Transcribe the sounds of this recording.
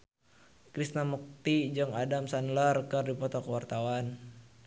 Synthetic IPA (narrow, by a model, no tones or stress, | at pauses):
kɾisnamɔk̚t̪id͡ʒɔŋadamsanlərkərdipɔt̪ɔkəwart̪awan